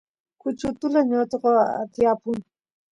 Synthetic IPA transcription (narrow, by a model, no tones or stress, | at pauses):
kʊt͡ʃʊt̪ʊlaɲot̪aqoa̰t̪japʊŋ